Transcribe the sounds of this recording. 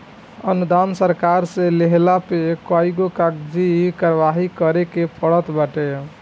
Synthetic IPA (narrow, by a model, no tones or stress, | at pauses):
ənud̪ansəɾkaɾsẽleɦlapekaiɡokakd͡ʒikaɾʋaɦikəɾekepəɽət̪baʈe